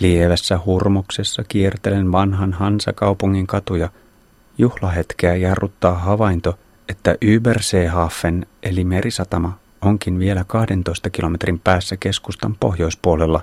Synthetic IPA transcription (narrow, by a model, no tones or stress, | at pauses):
lieʋæsːæhurmokse̞sːɑkiert̪elenʋɑnɦɑnɦɑnsɑ̰kɑwpuŋːiŋkɑt̪ujɑ | juhlɑɦe̞t̪k̟eæjɑrːut̪ːɑːɦɑʋɑjnt̪o̞ | e̞t̪ːæʔyːbærseːɦɑfːe̞nʔelime̞ɾʔisɑt̪ɑmɑ | o̞ŋkinʋie̞lækɑhde̞nt̪o̞jst̪ɑkilo̞me̞t̪rimpæːsːæke̞skust̪ɑmpo̞̰ɦjo̞jspuole̞lːɑ